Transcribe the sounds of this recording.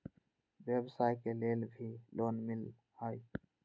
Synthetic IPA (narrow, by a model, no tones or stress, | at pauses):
ʋjebsaːjkeleːlbʱilʔoːnmɪl | haːi